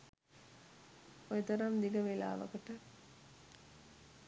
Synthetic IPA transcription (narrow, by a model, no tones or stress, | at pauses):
ojet̪ɐɾamd̪iɡəʋela̰ːʋə̰kəʈə